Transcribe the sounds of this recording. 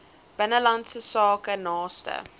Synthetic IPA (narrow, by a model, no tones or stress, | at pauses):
b̥ənəlantsəsɑːkənɑːstə̰